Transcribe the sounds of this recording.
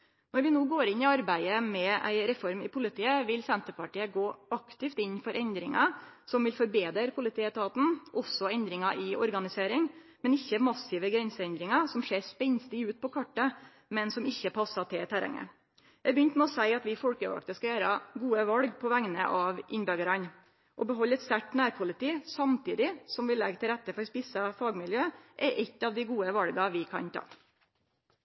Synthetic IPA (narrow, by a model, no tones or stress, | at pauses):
nɔɾʋɪnoːɡoːɾɪnːɪɑɾbæɪəmɛʔæ̰ɪɾɛfɔɾmɪ̰pʰʊlɪt̪ʰiːəʋɪlsɛnt̪əpɑʈiːəɡoːɑkt̪ɪft̪ɪnːfɔɾʔɛnd̪ɾɪŋɑsɔmʋɪlfɔɾbeːd̪əɾpʰʊlɪt̪ʰiːət̪ʰɑːt̪n̩ʔɔsɔɛnd̪ɾɪŋɑʔɪɔ̰ɾɡɑnɪseːɾɪŋmɛnɪçːəmɑsɪʋəɡɾɛnsəɛnd̪ɾɪŋɑsɔmʂeːɾspɛnst̪ɪʉːt̪̚pʰɔkʰɑʈːə | mɛnsɔmɪçːəpʰɑsɑt̪ʰɪt̪ʰæɾɛ̰ŋə̰ | ɛbjʏnt̪mɛɔsæɪɑt̪ʋɪfɔlkəʋɑ̰k̚t̪əskɑjæːɾɑɡuːəʋɑlɡpʰɔʋæŋnə̰ʔɑʋʔɪnbøɡəɾɑn | ʔɔbəɦɔlːɛt̪st̪æʈnæːɾpʰʊlɪt̪iːsɑmt̪iːd̪ɪsɔmʋɪlːɛɡt̪ʰɪlɾæt̪ːəfɔɾɔspisɑfɑːɡmɪljøːʔɛʔɪt̪ːɑʋd̪ɪɡuːəʋɑlɡɑʋɪkʰɑ̰nt̪ʰɑ̰ː